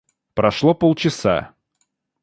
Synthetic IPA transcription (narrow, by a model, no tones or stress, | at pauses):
pɾɐʂlˠɔpolˠt͡ɕɪsa̰